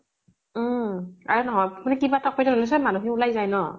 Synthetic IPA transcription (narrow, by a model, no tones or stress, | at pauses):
m̩a̰ɹunɔɦɔjpnɛkibaɛtakʰɔjzaɔlɛs̬ɛmanuxɛulajzajnɔ